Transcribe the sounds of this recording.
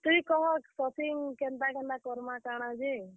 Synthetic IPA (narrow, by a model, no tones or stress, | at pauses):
t̪uĩkɔɦɔksɔt̪iŋkɛnt̪akɛnakɔɾmakaɽ̃ad͡ʒi